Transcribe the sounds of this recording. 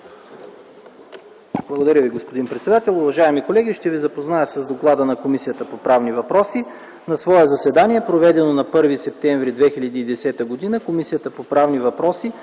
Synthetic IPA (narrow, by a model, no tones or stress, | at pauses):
blˠəɡod̪ɐɾʲəviɡospod̪inpɾɛt̪sɛd̪at̪ɛlˠʊvɐʒaɛmikolɛɡiʃt̪ɛvizɐpoznajəsəzd̪oklˠad̪ənɐkomisijət̪əpopɾavnivɐpɾɔsi | nɐsvɔɛzɐsɛd̪aniɛpɾovɛd̪ɛnonɐpɤɾvisɛp̚t̪ɛɱvɾid̪vɛxilʲɐd̪iːd̪ɛsɛt̪əɡod̪inəkomisijət̪əpopɾavnivɐpɾɔsi